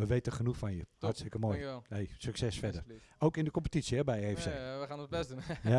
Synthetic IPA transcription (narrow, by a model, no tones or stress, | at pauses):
ʋəʋeːtəχənuxfɔnjəhastəkəmoːjejsyksɛsfɛdəroːkɪndəkɔmpətitsjəɛbɛjefseːəxaːnɔtblɛsdunja